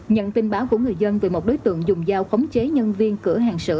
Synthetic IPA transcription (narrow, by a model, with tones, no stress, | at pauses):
ɲə̰˧˨nt̪ï˧nɓaː˨˦wku˧˩əŋɨ˨˩əjzə˧nve˨˩mo˨˩t̚ɗo˨˦jt̪ɨ̰˧˨əŋzʊ˨˩ŋ͡mzaː˧wxə˨˦wŋ͡mt͡ɕe˨˦ɲə˧nvi˧ənkɨ˧˩əɦaː˨˩ŋsɨ̰˧˨